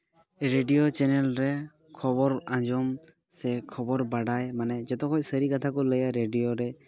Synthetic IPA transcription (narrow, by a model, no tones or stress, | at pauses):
ɾeɖijot͡ʃɛnɛlɾɛ | kʰɔbɔɾãd͡ʒɔm | sɛkʰɔbɔɾbaɖajmanɛd͡ʒɔt̪ɔkʰɔcsəɾikat̪ʰakɔləjaɾeɖijoɾɛ